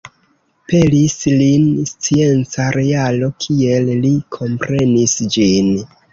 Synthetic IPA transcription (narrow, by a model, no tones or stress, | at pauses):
pe̞lislinst͡sie̞nt͡saɾʔealo̞kʰie̞llikʰo̞mpɾe̞nisd͡ʒin